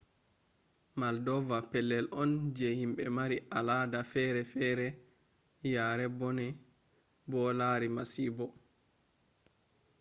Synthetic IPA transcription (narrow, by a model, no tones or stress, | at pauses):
maldɔvapɛlːɛlʔɔnd͡ʒɛhimɓɛmaɾiʔaladafɛɾɛfɛɾɛ | jaːɾɛbɔnɛ | bɔlaɾimasiːbɔ